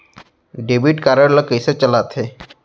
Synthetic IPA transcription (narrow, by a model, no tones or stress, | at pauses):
ɖebiʈkaɾəɽləkəjset͡ʃəlat̪ʰɦe